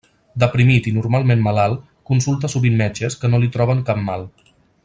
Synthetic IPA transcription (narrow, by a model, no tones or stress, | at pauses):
d̪əpɾimit̪inurmalˠmenmalalˠ | kunsulˠt̪̬əsuβinːɛt͡ʃəskənolit̪ɾɔβ̞əŋkap̚malˠ